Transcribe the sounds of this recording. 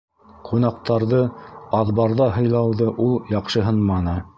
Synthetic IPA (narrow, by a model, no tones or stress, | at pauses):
qʰunɑqt̪ɑɾðɤɑðβɑɾðɑɦɤ̆jlˠɑwðɤʔulˠjɑqʃɤɦɤnmɑnɤ